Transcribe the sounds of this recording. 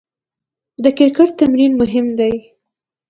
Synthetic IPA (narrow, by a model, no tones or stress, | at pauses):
d̪əkɪɾkəʈ̚t̪amɾinmʊɦɪmd̪aj